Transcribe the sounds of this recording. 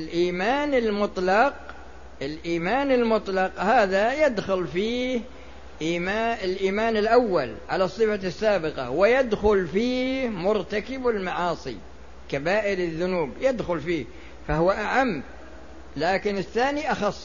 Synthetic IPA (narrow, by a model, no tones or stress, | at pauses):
ɪlʔiːmaːnɪlmʊt̪ˤlɑq | ʔɪlʔiːmaːnɪlmʊt̪ˤlɑqhaːðajɪd̪xʊlfiːh | ʔiːmaɪlʔiːmaːnɪlʔawːalʕalasˤːɨfasːaːbɪqɑ̰wɪjɪd̪xʊlfiːhmʊɾt̪akɪbɪlmaʕɑːsˤḭ | kabaːʔɪɾɪðːʊnuːbjɪd̪xʊlfiːh | fahʊwːaʔaʕamː | laːkɪnɪθːaːniʔɑxɑsˤː